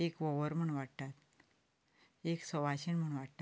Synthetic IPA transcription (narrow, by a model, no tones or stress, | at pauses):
ekʋoʋəɾm̤əɳʋaɽt̪at̪ | eksɔʋaɕinm̤əɳʋaɽt̪a